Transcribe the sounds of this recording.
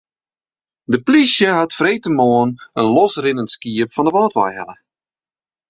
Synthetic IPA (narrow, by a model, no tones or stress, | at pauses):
dəplisjəɦatfreːtəmoənənlɔsrɪnənskiəpfɔndəʋɑːtʋa̰jɦɛ̰lˠə